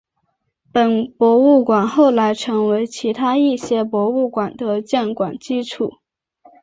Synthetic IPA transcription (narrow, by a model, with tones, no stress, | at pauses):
pə˨˩npwɔ˧˥u˥˩kwa˨˩nxo˥˩ʊla˧˥ɪʈ͡ʂʰɤ˧˥ŋwe˧˥ɪt͡ɕʰi˧˥t̪ʰa˥i˥˩ɕjɛ˥pwɔ˧˥u˥˩kwa˨˩nd̪ə˦t͡ɕjɛ˥˩nkwa˨˩nt͡ɕi˥ʈ͡ʂʰu˨˩˦